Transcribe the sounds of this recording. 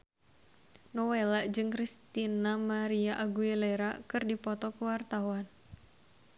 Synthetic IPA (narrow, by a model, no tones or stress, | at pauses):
nɔwelaʔd͡ʒɨŋkɾist̪inamaɾiaʔaɡuɛlɛɾakɨrdipɔt̪ɔkuwart̪awan